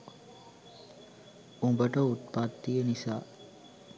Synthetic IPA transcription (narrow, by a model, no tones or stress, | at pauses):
umbəʈəut̪pat̪ːijənisaː